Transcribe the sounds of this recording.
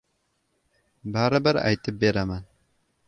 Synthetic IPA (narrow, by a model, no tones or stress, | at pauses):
baːɾabɐɾa̰jt̪ɨbeːɾaman